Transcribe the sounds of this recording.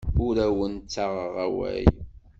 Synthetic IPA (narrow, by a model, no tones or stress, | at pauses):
ʊɾæwənt͡sːaʁəʁæwæ̰j